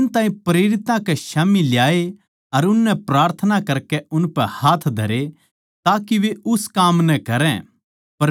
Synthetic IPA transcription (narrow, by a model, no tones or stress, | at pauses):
ɪnt̪aːĩpɾeːɾɪt̪ãkɛʃaːmilɪjaːe | ɐɾʊnːɛpɾaːɾt̪ʰənakɐɾkɛʊnpɛhaːt̪ʰd̪ʱɐ̰ɾe | t̪aːkiʋeʊskaːmnɛkɐɾɛ̃ | pɐɾ